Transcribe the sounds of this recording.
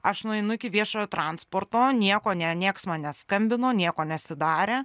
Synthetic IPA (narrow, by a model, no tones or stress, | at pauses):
ɐʃnʊɛɪnʊɪkʲɪʋʲiɛʃoːjoːt̪ɾɑːnspoːrt̪oːnʲiɛkoːnʲɛnʲiɛksmɐnnʲɛskɐmʲbʲɪnoːnʲiɛkoːnʲɛɐt̪sʲɪd̪ɑːɾʲeː